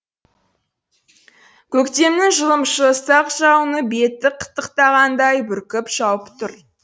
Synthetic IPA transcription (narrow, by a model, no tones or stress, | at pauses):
kʲʰɵkt̪e̞mnɪŋʒəlˠəmʃəəst̪ɑqʒɑwnəbe̞t̪ːɪqʰə̥t̪ːəqt̪ɑʁɑnd̪ɑjbʏɾkʲɪpʃɑwəpt̪ʰʊɾ